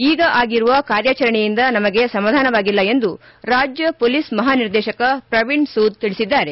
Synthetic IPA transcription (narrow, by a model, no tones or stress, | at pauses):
iːɡɐʔaːɡiɾuʋɐkaːɾjat͡ʃɐɾɐɳejind̪ɐnɐmɐɡe̞sɐmaːd̪ʱaːnɐʋaːɡilːɐe̞nd̪u | ɾaːd͡ʒjɐpoːlismɐɦaːniɾd̪ɛːʃɐkɐpɾɐʋiɳɖsuːd̪̚t̪iɭisid̪ːaːɾe̞